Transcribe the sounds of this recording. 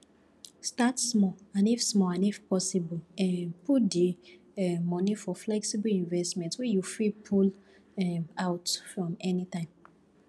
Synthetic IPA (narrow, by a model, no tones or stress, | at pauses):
statsmɔãnifsmɔãnifpɔsibɔɛpudi | ɛmɔ̃nifɔflɛksibəlĩnvɛstmɛ̃ntwɛjufɹipʰul | ɛaʊtfɹɔ̃mɛnitãɪ̃m